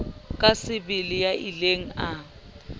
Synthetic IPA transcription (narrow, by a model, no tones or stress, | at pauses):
kʼasɪbɪlɪjaʔileŋ̩a